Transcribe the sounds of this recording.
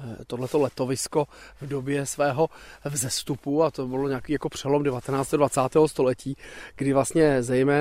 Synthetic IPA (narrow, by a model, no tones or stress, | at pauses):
t̪odlɛt̪o̞lɛt̪o̞vɪsko̞vdo̞bjɛsvɛːɦo̞vzɛst̪upuat̪obɪloɲakiːjako̞pr̝̥ɛlo̞mdɛvat̪ɛnaːt͡st̪dvatt͡saːt̪ɛːɦost̪o̞lɛciːɡ̥dɪvlast̪ɲɛzɛjmɛː